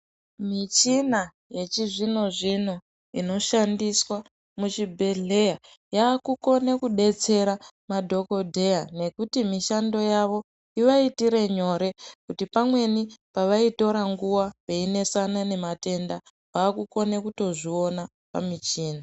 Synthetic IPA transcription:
mit͡ʃina | je̞t͡ʃiʐino̞ʐin̤u | ino̞ʃandiswa | mut͡ʃibʱe̞ɮe̞ja | jaːkuko̞ne̞kuɗe̞t͡se̞ɾa | madʱo̞ko̞dʱe̞jane̞kutimiʃando̞jaʋo̞ | iʋaitiɾe̞ɲo̞ɾe̞kutipamwe̞nipaʋaito̞ɾaŋɡuwapeine̞sanane̞mate̞nda | paːkuko̞ne̞kuto̞ʐio̞na | pa̰mit͡ʃiːna

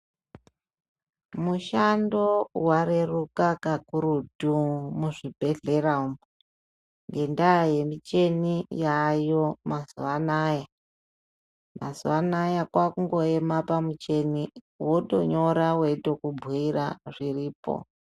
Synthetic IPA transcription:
muʃando̞waɾe̞rukakakuɾudumuʐibʱe̞ɮe̞raumo | ŋɡe̞ndaje̞mit͡ʃe̞nijajo̞mazuʋanaːja | mazuwanajakwakuŋɡo̞e̞mapamut͡ʃe̞ni | woto̰ɲo̞ɾawe̞to̞kubʱiraʐiriːpo̰

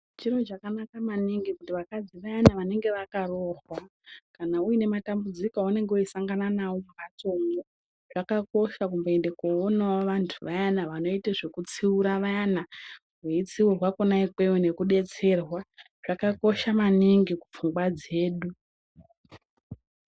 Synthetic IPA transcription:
t͡ʃiɾo̞t͡ʃakanakamaniŋɡikutiʋakad͡ziʋajanaʋane̞ŋɡe̞ʋakaro̞ːrwa | kanaujine̞matambud͡zikoune̞ŋɡeuisaŋɡananawo̞mumat͡soŋɡo | ʐ̥akako̞ʃakumbeendekoonaoʋantʰuʋajanaʋano̞iteʐe̞kut͡siuɾaʋaana | ɦweit͡siurwakonaikwe̞wone̞kuɗe̞t͡se̞rwa | ʐ̥akako̞ʃamaniŋɡiku̥fuŋɡwad͡ze̞ːɗu

